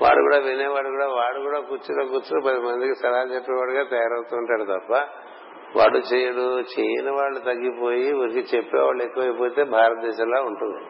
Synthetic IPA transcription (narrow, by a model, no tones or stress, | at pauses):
ʋa̰ːɽṵɡṵːɽaːʋineːʋaːɽukuːɽaːʋaːɽukuːɽaːkut͡ʃːiloːkuːt͡ʃupɐd̪imɐnd̪ikisɐlɐɦaːd͡ʒɐpːɛːʋaːɽuɡaːt̪ɛjaːɾɐwt̪uuɳʈaːɽut̪ɐpːɐ | ʋa̰ːɽːut͡ʃeːjɐɽut͡ʃeːjinɐʋaːɭːut̪ɐɡːipoːjiʋɐɾikit͡ʃepːḛʋa̰ːɭekːɐʋɐjipo̞ːt̪e̞ːbʱaːɾɐt̪̚d̪ɛːʃɐmloːuɳʈund̪i